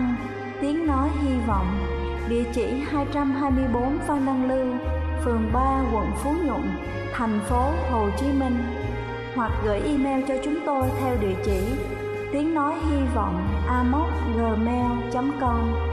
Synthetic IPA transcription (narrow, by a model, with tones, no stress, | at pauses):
t̪i˨˦əŋnɔ˨˦jɦi˧vɔ̰˧˨wŋ͡m | ɗḭ˧˨ət͡ɕḭ˧˩haː˧jt͡ɕa˧mɦaː˧jmɨ˧əjɓo˨˦nfa˧nna˧ŋlɨ˧fɨ˨˩əŋɓaː˧ɣwə̰˧˨nfu˨˦ɲʊ̰˧˨n | t̪ʰɛ˨˩jŋ̟fo˨˦ho˨˩t͡ɕi˨˦mï˧ŋ̟ | hwa˨˩k̚ɣə̰ː˧˩jʔi˧mɛ˧wt͡ɕɔ˧t͡ɕʊ˨˦ŋ͡mt̪o˧jt̪ʰɛ˧wɗḭ˧˨ət͡ɕḭ˧˩ | t̪i˨˦əŋnɔ˨˦jɦi˧vɔ̰˧˨wŋ͡mʔaː˧mo˦˥t̚ɣəː˨˩mɛ˧wt͡ɕa˨˦mkə˧wŋ͡m